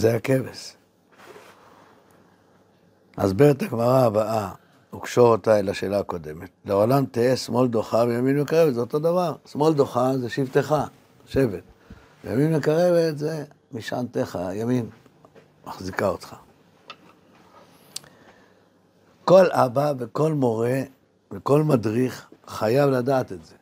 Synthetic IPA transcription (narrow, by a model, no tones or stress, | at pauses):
zeake̞ves | a̰zbeʁet̪aɡmaʁaːbaʔa | ukʃoʁot̪aelaʃe̞ːlaːko̞d̪e̞metleo̞lamt̪eesmo̞ld̪o̞χavejaminmekaʁevetzeoto̞d̪avaʁsmo̞ld̪o̞χazeʃivt̪eχa | ʃe̞vet̚ | ejaminmekaʁe̞vetze | miʃa̰nt̪eχa̰jamin | maχzikaot̪χḁ | ko̞lʔabaveko̞lmo̞ʁe̞ | veko̞lmadʁiχːajavladaːt̪etze̞